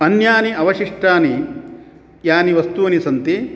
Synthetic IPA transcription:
ɐnjaːniɐʋɐʂiʂʈaːni | jaːniʋɐst̪uːnisɐnt̪i

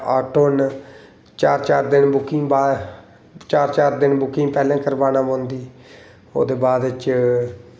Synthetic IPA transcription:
a̰ːʈoːn | t͡ʃaːɾt͡ʃaːɾd̪ɪnbʊkɪŋɡba | t͡ʃaːɾt͡ʃaːɾd̪ɪnbʊkɪŋɡpɛːlãːkəɾbaːnãːbõːnd̪iː | o̰ːd̪eːbaːd̪t͡ʃ

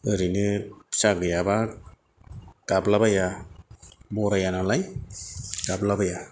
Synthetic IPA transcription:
ɯɾinɯsaɡɯjaba | ɡ̥ablabaja | bɔɾajanalaj | ɡablabaja

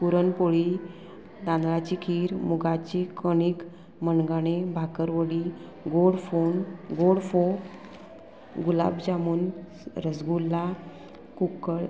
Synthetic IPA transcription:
puɾənpoɭi | d̪ãnd̪lat͡ɕikʰiːɾmuɡat͡ɕikəɽ̃iːk | məɳɡaɽ̃ebʱakəɾʋəɽi | ɡoɽfonɡoɽfo | ɡula̰bd͡ʑamuːn | ɾəsɡulːa | kukəɭ

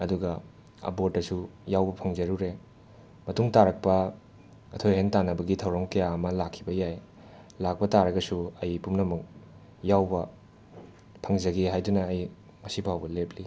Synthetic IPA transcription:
ɐduɡɐ | ɐ̰botːɐsujawbɐpʰɐŋzɐɾuɾe | mɐtuŋtaɾɐk̚pɐ | ɐtʰojhentanɐbɐɡitʰɐwɾɐmkɐjaɐmɐlakʰːibɐjaj | lak̚pɐtaɾɐɡɐsuɐjpumnɐmuk̚ | jawbɐ | pʰɐŋzɐɡeɦajdunɐːj | mɐsibʱawbɐlep̚ʰli

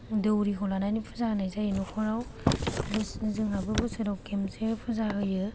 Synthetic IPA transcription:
dɯwɾikolananipʰɯzaɡnajzajɯnokʰɔɾaw | bɯszɯŋnabɯbɯsɯɾawkemsepʰɯzaɡɯjɯ

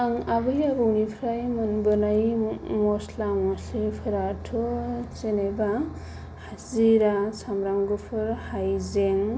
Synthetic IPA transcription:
aŋabɯjabɯnipʰɾajmanbɯnajmɔslamɔsepʰɯɾatʰɯt͡ʃeneba | haziɾasamɾamɡɯpʰɯɾhajzeŋ

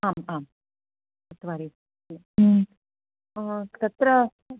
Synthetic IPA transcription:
aːmaːm | t̪ɐt̪ʋaːɾi | t̪ɐt̪ɾɐ

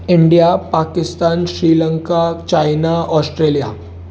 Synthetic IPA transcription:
ɪɳɖijapaːkɪst̪aːnʃɾiːlə̃ŋkat͡ʃaːɪnaɔːsʈɾeːlija

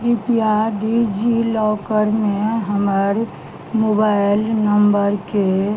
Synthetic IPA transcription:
ɾipijaɖid͡ʒilɔːkəɾmeɦəməɾ | mobaɪlnəmbəɾke

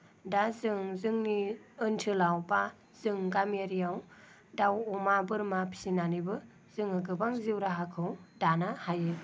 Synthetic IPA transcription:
dazɯŋzɯŋniɯntʰɯlawba | z̥ɯŋɡameɾijaw | dawɔmabɯɾmapʰi̥sinanibɯ | z̥ɯŋɯɡɯbaŋziwɾaɦakʰɯwdanahajɯ

